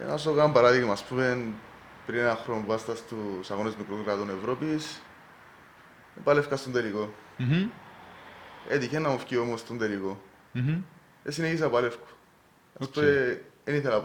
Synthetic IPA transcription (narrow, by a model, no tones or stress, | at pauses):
ḛna̰sokambɐɾaðiɣmaspumen | pɾineaxɾoɱvast̪ɐst̪usaɣonezmikɾokɾat̪onevɾopis | epalefkast̪ond̪eliko | ḛt̪içenːamofciomost̪ond̪eliko | esineçis̬apalefku̥ | spueeniθelap